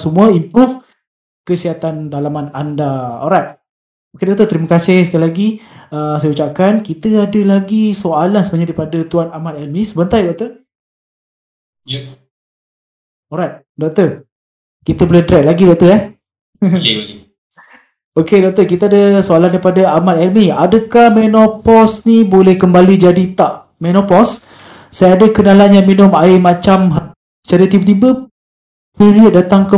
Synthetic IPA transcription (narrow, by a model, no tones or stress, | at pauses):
səmuaimpɾuf | kəsiat̪andalamana̰ndaɔ̰ɾajt̪̚ | okedɔk̚t̪ət̪əɾiməkasɪhsə̥kalilaɡiəsajəut͡ʃap̚kankit̪əadəlaɡisoalansəbaɲadaɾipadat̪uanamat̪ɛlmisəbənt̪ajdɔk̚t̪ə | ɔɾajt̪̚ | dɔk̚t̪ə | kit̪əbolɛhdəɾɛk̚laɡidɔʔk̚t̪əɛ | okedɔʔk̚t̪əkit̪aadəsoalandaijpadaamat̪ɛlmiadəkahmɛnɔpɔsnibolɛhkəmbalid͡ʒadit̪aʔ | mɛnɔpɔs | sajadəkənalanjaŋminʊmaɪmat͡ʃamɦ | sə̥t͡ʃaɾət̪ibət̪̬ibə | piɾiət̪̚dat̪aŋkə